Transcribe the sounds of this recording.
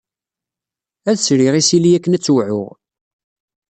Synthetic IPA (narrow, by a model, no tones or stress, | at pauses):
æðsɾiʁisilijækːənæt͡sːwʕʊ̰ʁ